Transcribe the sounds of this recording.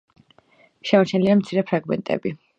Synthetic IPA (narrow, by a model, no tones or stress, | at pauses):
ʃɛmɔɾt͡ʃʰɛniliamt̪sʰiɾɛpʰɾaɡmɛ̰nt̪ʼɛ̰bi